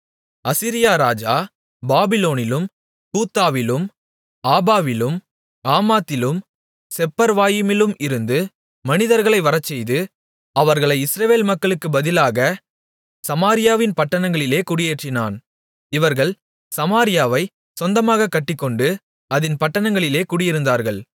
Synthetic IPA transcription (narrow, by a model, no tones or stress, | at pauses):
ɐsɪɾɪjaːɾaːd͡ʒaː | baːbɪloːnɪlɯm | kuːt̪ːaːʋɪlɯm | aːbaːʋɪlɯm | aːmaːt̪ːɪlɯm | sɛpːɐɾʋaːjɪmɪlɯmʔɪɾɯnd̪ɯ | mɐnɪðɐɾɣɐɭɐɪʋɐɾɐt͡ʃːɛjðɯ | ɐʋɐɾɣɐɭɐɪɪsɾɐʋeːlmɐkːɐɭɯkːɯbɐðɪlaːɣɐ | sɐmaːɾɪjaːʋɪnpɐʈːɐnɐŋɡɐɭɪleːkʊɽɪjeːʈrɪna̰ːn | ɪʋɐɾɣɐɭ | sɐmaːɾɪjaːʋɐɪ | sɔnd̪ɐmaːɣɐkːɐʈːɪkːɔɳɖɯ | ɐðɪnpɐʈːɐnɐŋɡɐɭɪleːkʊɽɪjɪɾɯnd̪aːɾɣɐɭ